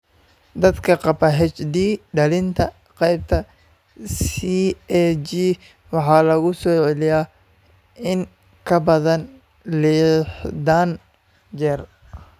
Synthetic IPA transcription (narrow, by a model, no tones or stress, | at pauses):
d̪ɐd̪kʰɐqɑbɐɦɛt͡ʃd̪iːɖɐlɪnt̪ʰɐ | qɛjb̚t̪ʰɐ | siɛt͡ʃi | wɑħɑːlɐɣʊsɔːʕɛlɪjaː | ɪŋ | kʰɐbɐðɐn | lɪːħd̪aːn | d͡ʒɛːr